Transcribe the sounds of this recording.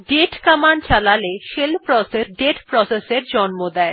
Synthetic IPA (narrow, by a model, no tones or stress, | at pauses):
ɖeʈkamant͡ɕalaleʃelpɾɔseɾɖeʈpɾɔseseɾd͡ʑɔnmod̪ɛe